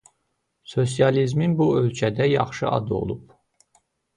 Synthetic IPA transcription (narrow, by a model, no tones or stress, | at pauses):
so̞s̬jɑlizminbuø̞lcʰæd̪æjɑ̰χʃɯʔɑ̰d̪ɯo̞̰lˠup